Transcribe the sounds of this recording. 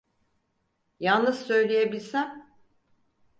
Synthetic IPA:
jalˠnɯzsø̞jlʲejebilʲsæm

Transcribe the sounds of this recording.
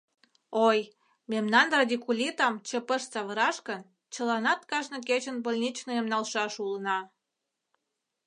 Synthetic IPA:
oj | memnɑnrɑd̪ʲikulʲit̪ɑmt͡ɕəpəʃt͡sɑβəɾɑʃkən | t͡ɕə̆lɑnɑt̪kɑʒnɤ̆ket͡ɕənbəlʲnʲit͡ɕnoemnɑlʃɑʃulənɑ

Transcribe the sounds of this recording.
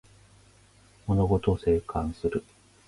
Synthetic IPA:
mo̞no̞ɡo̞t̪ose̞ːkʰãɰ̃sɨɾɯ̟

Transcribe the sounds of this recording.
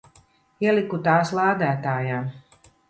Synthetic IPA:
iɛlʲˠikut̪aːslˠaːd̪æːt̪aːjaː

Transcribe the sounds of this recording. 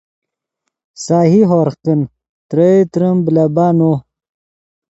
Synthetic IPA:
saːɦiɦoɾqin | t̪ɾəit̪ɾəmblabaːno

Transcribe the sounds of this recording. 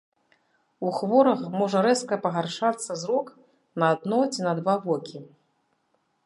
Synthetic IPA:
uxvɔɾɐxmɔʐɐɾɛskɐpɐɣarʂat̪sːɐzɾɔk | nɐad̪̚nɔt͡sʲinɐd̪vavɔkʲi

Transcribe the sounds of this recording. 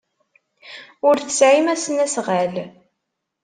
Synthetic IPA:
ʊɾθəsʕimæsənæsʁæl

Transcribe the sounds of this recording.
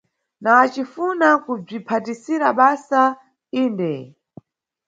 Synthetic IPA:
naːt͡ʃifunakub͡ʐipʰatisiɾaɓasa | iːndɛ

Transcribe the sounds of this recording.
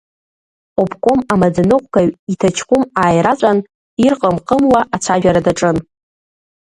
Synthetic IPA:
opʰkʷʼomamad͡zanɨqʷʼkʰaɥitʰat͡ʃʰkʷʰʼʊmaːjɾat͡ʃʷʼan | irqʼəmqʼəmwaʔat͡ʃʷʰaʒᶣaɾadaʈ͡ʂʼɨn

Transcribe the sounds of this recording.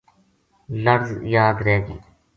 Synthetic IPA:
ləɾzjaːd̪ɾɛːɡḭː

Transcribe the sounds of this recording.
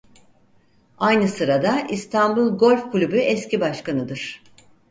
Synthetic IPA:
ajnɯsɯɾad̪aist̪ʰanbulˠɡo̞lʲfkʰulʲybyʔɛscibaʃkanɯd̪ɯɾ̥

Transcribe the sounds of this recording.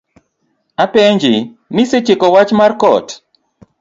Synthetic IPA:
apeɲd͡ʒɪ | mɪset͡ʃɪkɔwat͡ʃmarkɔ̰t

